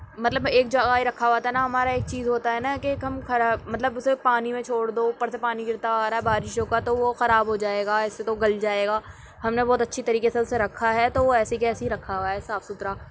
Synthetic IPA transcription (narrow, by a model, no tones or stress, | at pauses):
mɐt̪ləbeːk̚d͡ʒɐɡaːiɾɐkʰːaʋaːt̪aɦɛnaɦɐmaːɾaeːk̚t͡ʃiːzɦoːt̪aɦɛnakeːkɦɐmxɐɾamɐt̪ləbʊsepaːnimẽt͡ʃʰoːɽd̪oːpɐɽsepaːniɡɪɾt̪aaːɾaɦɛbaːɾɪʃɦoːkat̪oʋoxɐɾaːbɦod͡ʒaːeːɡaːɪsːet̪oɡɐld͡ʒaːeːɡaː | ɦɐmnebɔːt̪ɐtːʃʰit̪ɐɾiːkeseʊseɾɐkʰːaɦɛt̪oʋoɛːseikɛːseɦiɾɐkʰːaoaɦɛːsaːfsʊt̪ɾaː